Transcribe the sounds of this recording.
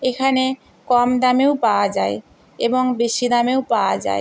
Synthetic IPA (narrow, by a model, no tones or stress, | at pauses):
ekʰane | kɔmd̪amewpaoad͡ʑae | eboŋbeʃid̪amewpaoad͡ʑa̰e